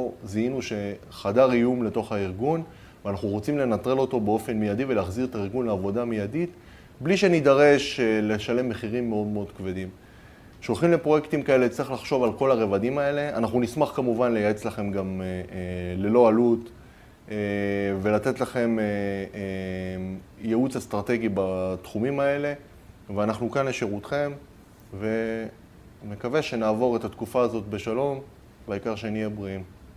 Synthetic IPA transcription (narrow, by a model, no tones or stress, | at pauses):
ziinuʃe̞ | χadaʁijumle̞to̞χaiʁɡun | veanaχnuʁot͡simle̞nat̪ʁelo̞t̪o̞be̞o̞fe̞nmijad̪iveleːχziʁetaiʁɡunleavo̞d̪amijadit̪ | bliʃe̞nid̪aʁe̞ʃle̞ʃale̞mːe̞χiʁimːe̞o̞d̪meo̞d̪kve̞dim | ʃo̞lχimlepʁo̞je̞kt̪imkae̞let͡siχlaχʃo̞valko̞laʁe̞vadimae̞le̞anaχnunismaχkamuvanle̞jaet͡slaχe̞mɡam | le̞lo̞alut̪ | eve̞lat̪e̞tlaχe̞me | jeut͡sast̪ʁate̞ɡibat̪χumimaele̞ | veanaχnukanleʃeʁut̪χe̞m | ve̞ | me̞kave̞ʃe̞naːvo̞ʁet̪at̪kufaːzo̞t̪be̞ʃalo̞m | baikaʁʃeenijebʁiim